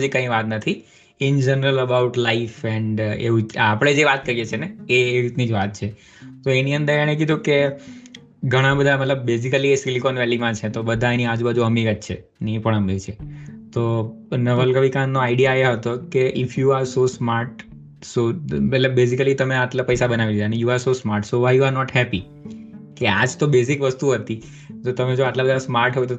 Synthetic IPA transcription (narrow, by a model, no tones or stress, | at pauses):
d͡ʒikə̃ĩʋat̪nət̪ʰi | ɪnd͡ʒənəɾələbaʊʈlaifɛɳɖḛʋũapɽ̃ed͡ʒeʋat̪̚kəɾijet͡ʃʰeneːɾit̪nid͡ʒʋat̪̚t͡ʃʰe | t̪oeniə̃nd̪əɾeɽ̃ẽkid̪ʱũke | ɡʱəɽ̃ãbəd̪ʱamət̪ləb̚ːes̬ikəliesilikonʋɛlimãt͡ʃʰet̪obəd̪ʱãeniad͡ʒubəd͡ʒuɦəmiɡət̪t͡ʃʰḛ | nipəɳ̃ɦəmit͡ʃʰet̪o | nəʋəlɡəʋikanːoaɪɖijaeɦət̪okeʔɪfʰjuaɾsosmaɾʈ | soətlebbes̬ikəlit̪əmeaʈlapəjsabənaʋid̪id̪anejuaɾsosmaɾʈsoʋajjuaɾnɔʈhɛpi | kea̰d͡ʒt̪obes̬ɪkʋəst̪uɦət̪i | t̪ot̪əmed͡ʒoaʈlabəd̪asmaɾʈɦəʋet̪o